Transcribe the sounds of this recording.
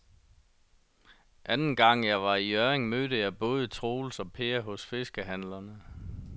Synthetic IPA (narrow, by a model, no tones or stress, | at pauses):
ʔænn̩ɡ̥ɑ̈ŋ̰jɑ̈ɪʋɑ̈iœːʁeŋmøːdəjɑ̈ɪb̥ɔ̽ːð̞ˠət͡sʰʁoːl̩sɒ̽pʰe̝ːɐɦɔ̽sfe̝sɡ̥əɦænlɐnə